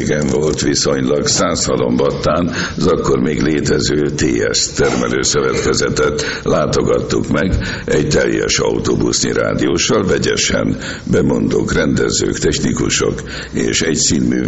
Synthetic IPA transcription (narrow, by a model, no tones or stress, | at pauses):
ɡɛɱvo̞lt̪ʋiso̞ɲlɒɡsaːshɒlo̞mbɒt̪ːaːn | zɒkːo̞rmeːɡleːt̪ɛzøːt̪eːɛst̪ɛrmɛløːsøvɛt̪kɛzɛt̪ɛt̪laːt̪o̞ɡɒt̪ːukmɛɡ | ɛɟt̪ɛljɛ̰ʃɒut̪oːbusniɾa̰ːd̪ioːʃɒlvɛɟɛʃɛn | bɛmo̞nd̪okrɛnd̪ɛzø̰ːkt̪ɛçnikuʃok | eːʃɛɟt̪siːnmyː